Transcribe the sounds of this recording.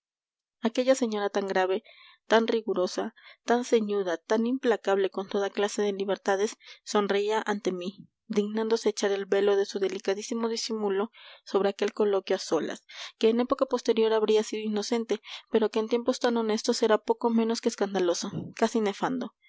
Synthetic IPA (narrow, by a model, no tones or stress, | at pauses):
ake̞ʝase̞ɲo̞ɾat̪aŋɡɾaβe̞ | t̪anriɣuɾo̞sat̪anse̞ɲuðat̪animplakaβle̞ko̞nt̪o̞ðaklase̞ðe̞liβe̞ɾt̪að̞e̞sːo̞nreiaʔant̪e̞mi | d̪iɣnãnd̪o̞se̞ːt͡ʃaɾelβe̞lo̞ðe̞suðe̞likaðisimo̞ðisimulo̞so̞β̞ɾe̞ake̞lko̞lo̞kjoaso̞la̰ske̞ːnepo̞kapo̞st̪e̞ɾjo̞ɾaβɾiasiðoino̞se̞nt̪e̞pe̞ɾo̞ke̞ːnt̪je̞mpo̞st̪ano̞ne̞st̪o̞se̞ɾapo̞ko̞mẽ̞no̞skeːskand̪alo̞sokasine̞fand̪o̞